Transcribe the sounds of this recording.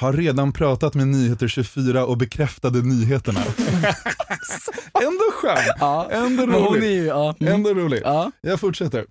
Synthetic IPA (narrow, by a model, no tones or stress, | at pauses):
haɾːeːd̪anpʰɾɑːt̪at̪menyːheːt̪əɾɕɵfyːɾaʔɔbɛkʰɾɛft̪ad̪ənyːɦeːt̪əɳa̰ | ɛnd̪oɧøːnːʔɛnd̪ɔɾulɪɛnd̪ɔɾuːlɪɡːjɑːɡfʊʈʂɛt̪ːəɾ